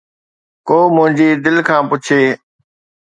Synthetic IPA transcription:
koːmʊ̃ɦɪ̃ɲd͡ʑiːd̪ɪlkʰãːpʊt͡ɕʰeː

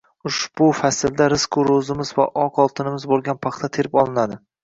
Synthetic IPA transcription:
ʊʃb̥ʊfasɪld̪aɾɪskʰʊɾozɪmɪzva̰ʔɒqʰɒlˠt̪ʰɪnɪmɪzbolˠɡʲanpʰɑχt̪ʰat̪ʰe̞ɾɪpɒlˠɪnad̪ɪ

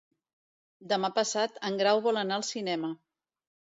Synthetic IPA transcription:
d̪əmapəsat̪əŋɡɾawβɔlənaəlˠsinɛmə

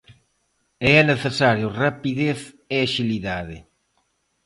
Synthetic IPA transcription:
eɛneθesaɾjʊrapiðeθ | eaʃiliðaðɪ̰

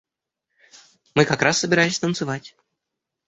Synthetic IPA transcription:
mɨkakɾasːəbʲɪɾajɪsʲt̪ənt̪sɨvatʲ

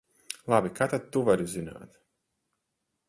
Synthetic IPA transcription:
lˠabikaːt̪ad̪̚t̪ːuvaɾuzina̰ːt̪

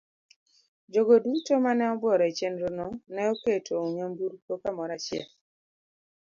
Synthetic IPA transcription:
d͡ʒoɡodutomanɛɔbwɔɾɔet͡ʃenɾonɔnɛoketʰooɲambuɾkokamɔɾat͡ʃɛ̰l

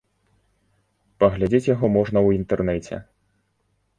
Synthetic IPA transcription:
pɐɣlʲad͡zʲet͡sʲjaɣɔmɔʐnɐwint̪ɛrnɛt͡sʲɛ̰

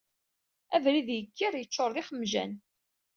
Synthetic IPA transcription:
ævɾiðjəkːiɾjət͡ʃːoɾˤðɪχəmːʒæ̰n

